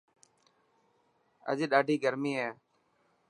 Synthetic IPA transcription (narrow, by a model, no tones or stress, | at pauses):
ə̰ʄeːɗaːɖʱiːɡəɾmiːɦɛː